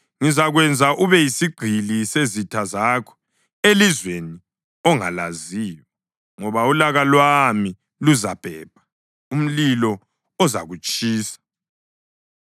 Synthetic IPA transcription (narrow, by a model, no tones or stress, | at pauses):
ŋizaɣwɛnd͡zʱaʔuβɛjisiɡ͡ǃʱilisezitʰazaːkʰɔ̥ | elizweni | ɔŋa̰laziːwɛ | ŋɔβaulaɣalwami | luzab̥ʱɛ̰ːb̥̚ʱḁ | um̩lilɔ | ɔza̰ɣut͡ʃʼiːsḁ